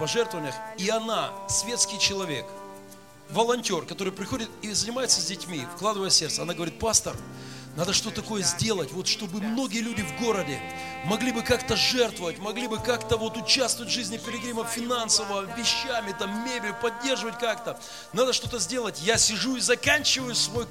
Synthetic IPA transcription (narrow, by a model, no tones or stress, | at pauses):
pɐʐɛrt̪vəvənʲɪjəxiɐnasʲvʲe̞t̪skʲɪjt͡ɕɪlˠɐvʲe̞̰k | vəlˠɐnʲtʲo̞rkɐt̪o̞ɾɨjpɾʲɪxo̞dʲɪt̪izənʲɪmajɪt̪səzʲdʲɪtʲmʲifklˠad̪ɨvəjəsʲe̞rt̪səɐnaɡəvɐɾit̪̚past̪ə̰r | nad̪əʂt̪oɐko̞jəzʲdʲe̞lˠətʲvo̞t̪ʂt̪o̞bɨmno̞ɡʲɪjəlʲudʲɪvɡo̞ɾədʲɪ | mɐɡlʲibɨkakt̪əʐɛrt̪vəvətʲmɐɡlʲibɨkakt̪əvo̞t̪ʊt͡ɕast̪əvətʲʐɨzʲnʲɪpʲɪɾʲɪɡɾʲiməfʲɪnansəvəvʲɪɕːamʲɪt̪amːʲebʲɪlʲʊpɐdʲːe̞rʐɨvət̚ʲkakt̪ə | nad̪əʂt̪o̞t̪əzʲdʲe̞lˠətʲjasʲɪʐuizɐkanʲt͡ɕɪvəjʊsvo̞j